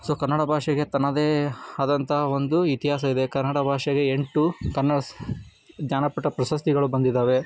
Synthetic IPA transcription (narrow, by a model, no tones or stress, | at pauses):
soːkɐnːɐɽɐbʱaːʂɐɡe̞t̪ɐnɐd̪eːɐd̪ɐnt̪ʰɐɦɐo̞nd̪uit̪iɦaːs̬ɐid̪e̞kɐɾnːɐɽɐbʱaːʂɐɡe̞ːɳʈukɐnːɐɽɐ | ɡ̪ɲaːnɐpɐʈːɐpɾɐʃɐst̪iɡɐɭubɐnd̪id̪aːʋe̞